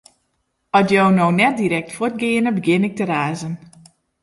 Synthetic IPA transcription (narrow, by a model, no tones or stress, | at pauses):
ɔtjownownɛt̚diɾɛk̚tfʊt̚ɡɪənəbəɡjɪnɪk̚təɾaːzən